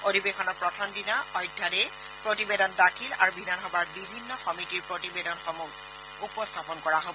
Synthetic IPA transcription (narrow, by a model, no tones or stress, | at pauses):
odibexʰɔnɔɹpɹɔtʰɔndinaɔjdʱːadɛ | pɹotibedɔndakʰila̰ɹubʱidanɦɔbaɹbibʱinːɔxɔmitiɹpɹotibedɔnxɔmuk | upɔstʰapɔnkɔɹaɦobɔ